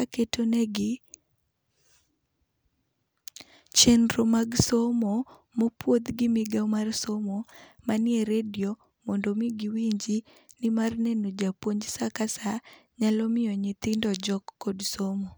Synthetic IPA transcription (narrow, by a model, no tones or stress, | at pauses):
aketonɛɡɪ | t͡ʃɛndɾomaɡsomo | mopwot̪ɡɪmɪɡamarsomomanɪɛɾedjo | mɔndomiɡɪwiɲd͡ʒi | nɪmarnenod͡ʒapwoɲd͡ʒsakasaɲalɔmɪɔɲɪt̪ɪndɔd͡ʒɔkːɔdsomo